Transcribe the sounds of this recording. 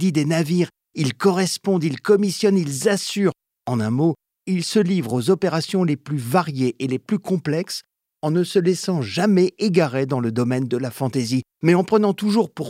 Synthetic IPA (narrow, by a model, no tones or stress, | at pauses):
id̪enaviʁ | ilkɔʁɛspɔ̃d̪ilkɔmisjɔnilzasyʁ | ɑ̃nɛ̃mo | ilsəlivʁozɔpeʁasjɔ̃leplyvaʁjeʔeleplykɔ̃plɛks | ɑ̃nəsəlɛsɑ̃ʒamɛeɡaʁed̪ɑ̃ləd̪ɔmɛnd̪əlafɑ̃t̪ezi | mɛɑ̃pχənɑ̃t̪uʒuʁpuʁ